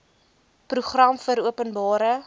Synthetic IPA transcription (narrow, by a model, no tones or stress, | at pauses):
pruχrɐmfəɾuəpənbɑːɾə